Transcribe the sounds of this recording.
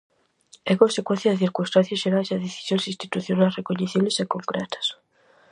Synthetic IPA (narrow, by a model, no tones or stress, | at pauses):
ɛkõnsekwẽn̟θjɐðeθiɾkunst̪an̟θjɐsʃeɾajseɐðeθi̥sjonsĩst̪i̥t̪uθjonajsrekoɲeθiβlesekoŋkɾɛ̰t̪ɐ̥s